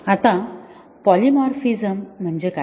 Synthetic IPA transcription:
at̪ã | pɔlimɔɾfizəm̤ːəɳd͡ʑeka

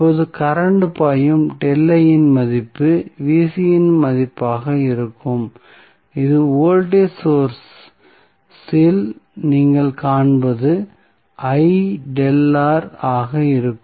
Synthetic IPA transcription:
oːðɯkɐɾɐɳɖɯpaːjɯmɖɛlːɐjɪnmɐðɪpːɯʋiːsɪjɪnmɐðɪpːaːɣɐɪɾɯkːɯm | ɪðɯoːlʈeːsoːɾs | sɪlniːŋɡɐɭkaːɳbɐðɯ | ʔɐɪɖɛlːaːɾaːɣɐɪɾɯkː

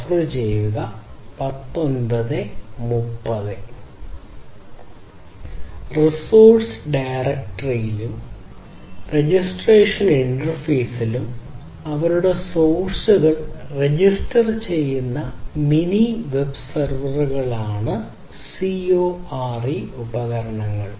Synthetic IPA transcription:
ɐfrɨt͡ɕeːiɣɐpɐt̪ːo̞nbɐðɨmupːɐðɨ | risoːrʈsɖajrek̚ʈɐrijilum | re̞d͡ʑisʈreːʂɐniɳɖɐrfeːsilum | ɐʋɐɾuɽe̞soːɕuɣɐɭred͡ʑistɐrt͡ɕe̞jːunːɐminiʋe̞bsɐrʋɐruɣɐɭaːɳɨ | sioːaːriubɐɣɐɾɐɳɐŋːɐ̰ɭ

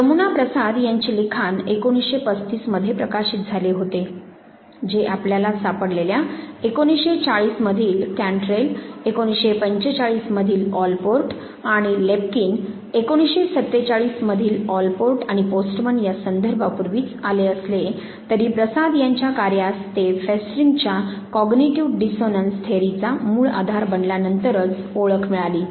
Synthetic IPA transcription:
səmunapɾəsad̪jaɲt͡ɕilikʰanekoɽ̃isɕepət͡st̪iːsməd̪ʱjepɾəkaɕiːt̪̚d͡zʱaleɦot̪e | d͡ʑeʔapljalasapəɽleljaekoɽ̃isɕet͡saɭiːsməd̪ʱiːlkæɳʈɾelekoɽ̃isɕepəɲt͡ɕet͡saɭiːsməd̪ʱiːlɔlpoɾʈ | aɽ̃ilep̚kiːn | ekoɽ̃isɕesət̪ːet͡saɭiːsməd̪ʱiːlɔlpoɾʈaɽ̃iposʈmənjasənd̪ʱəɾbʱapuɾʋiːt͡saleəsle | t̪əɾiːpɾəsad̪jaɲt͡ɕjakaɾjast̪efesʈɾiŋɡt͡ɕjakɔɡniʈiuʈ̚ɖisonənst̪ʰeɾit͡samuːɭa̰d̪ʱaɾbəɳljanənt̪əɾət͡s | oɭəkʰmiɭaliː

